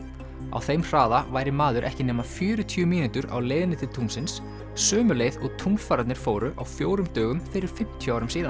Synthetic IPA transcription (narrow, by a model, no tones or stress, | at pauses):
a̰wθejmr̥aːðavaːjɾɪmaːðʏɾʔɛ̰hcɪnɛːmḁfjʏːɾʏt̪ʰyʏmiːnyt̪ʏɾa̰wleːjðɪnɪt̪ʰɪlt̪ʰuŋsɪns | sœːmʏleːjðɔɣt̪ʰumsfaːɾat̪nɪɾ̥foːwɾʏʔa̰wfjoːwɾʏmt̪œːɣʏmfɪɾɪɾ̥fɪm̥t̪ʰjʏawɾʏmsiːðan